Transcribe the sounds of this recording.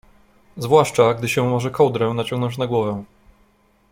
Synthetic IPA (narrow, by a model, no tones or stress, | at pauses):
zvwaʂt͡ʂaɡd̪ɘɕɛ̃mɔʐɛkɔwd̪ɾɛnat͡ɕɔ̃ŋɡnɔ̃ɲt͡ɕnaɡwɔvɛ